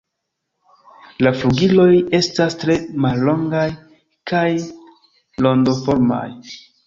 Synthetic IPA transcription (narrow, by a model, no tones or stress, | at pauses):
lafluɡilo̞je̞stastɾe̞malːo̞ŋɡaj | kaj | lo̞ndo̞fo̞ɾma̰j